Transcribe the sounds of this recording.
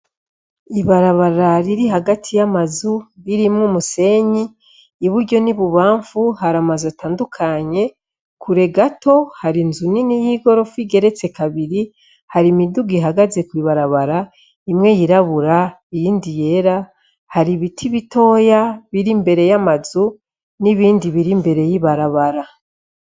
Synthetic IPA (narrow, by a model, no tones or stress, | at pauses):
iβaɾaβaɾaɾiɾiɦaɡatʰijamazuɾiɾimŋumuse̞ɲiː | βuɾɟo̞niβuβaːɱvuhɦaɾamazataːndukʰaɲe̞ | kʰuɾe̞ɡato̞haɾinzuninijiɡo̞ɾo̞fuiɡe̞ɾe̞t͡se̞kaβiɾi | haɾimiduɡiɦaɡaze̞kwiːβaɾaβaɾa | imŋe̞jiɾaβuɾaijiːndije̞ɾa | haɾiβitʰiβitʰo̞ːjaβiɾimbe̞ɾe̞jamazu | niβiːndiβiɾimbe̞ɾe̞jiβaɾaβaɾa